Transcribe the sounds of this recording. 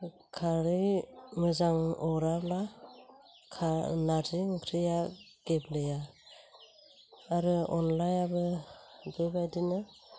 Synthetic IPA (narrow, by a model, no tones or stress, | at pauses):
kʰaɾɯjŋɯzaŋɔɾabla | kʰanaziŋkʰɾɯja | ɡ̥eblɯja | ɾɯɔnlajabɯbɯjbajdinɯ